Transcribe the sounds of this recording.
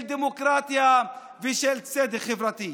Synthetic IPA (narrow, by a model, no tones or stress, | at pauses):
ld̪emokɾat̪ja | viʃɛlt͡sɛd̪eχevɾat̪i